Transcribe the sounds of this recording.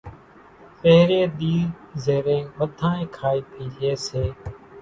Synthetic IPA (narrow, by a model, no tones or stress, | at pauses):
peɦɾeːɗ̪iːɾ | zeːɾẽːʋəd̪ʱãːẽːkʰaːiːpʰiːleːseː